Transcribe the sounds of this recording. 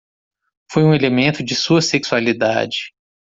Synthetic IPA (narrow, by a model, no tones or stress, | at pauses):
fojũelemẽnt̪ʊd͡ʒɪsuɐseksualid̪a̰d͡ʒɪ